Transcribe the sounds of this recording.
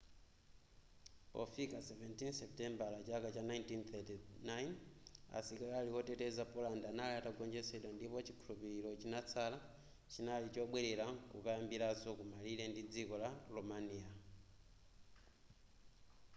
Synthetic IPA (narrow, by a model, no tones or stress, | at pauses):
pɔ̰fikasɛvɛntinsɛptɛmbalat͡ʃakat͡ʃanajntinθʰɛtinajna̰sikalalikɔtɛtɛzapɔlandaanaliataɡɔɲd͡ʒɛsɛɗwandipɔt͡ʃi̥kʰulupiɾiɾɔt͡ʃinat͡sʰala | t͡ʃinalit͡ʃɔɓwɛɾɛɾakuβajambiɾazɔkumalilɛndid͡zikɔlalɔmania